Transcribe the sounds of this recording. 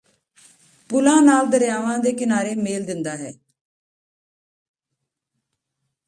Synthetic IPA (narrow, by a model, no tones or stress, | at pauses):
pʊlãːnaːld̪əɾjaːʋãːd̪eːkɪnaːɾeːmeːld̪ɪnd̪aːɦɛː